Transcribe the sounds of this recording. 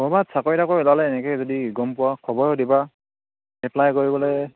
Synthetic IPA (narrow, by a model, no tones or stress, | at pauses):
bɔɔbatsakɔɹitakoɔlalɛːnɛkɛzɔdiɡɔmpʊwakʰɔbɔɹɔdiba | ɛplajkoɹibɔlɛ